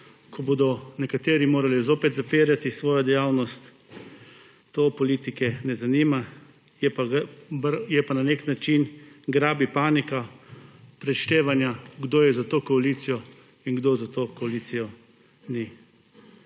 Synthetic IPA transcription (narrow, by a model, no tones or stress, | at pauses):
kʰɔboːd̪ɔnɛkat̪eːɾimoːɾalizoːpɛt̪zapiːɾjat̪isʋoːjɔd̪ɛjaːwnɔst̪ | opɔliːt̪ikɛnɛzaniːma | jɛpabɾjɛpananeːknat͡ʃinɡɾaːbipaːnika | pɾɛʃt̪eːʋanjaɡd̪oːjɛzat̪oːkɔalit̪sijɔ | inɡd̪oːzat̪okɔaliːt̪sijɔ | ni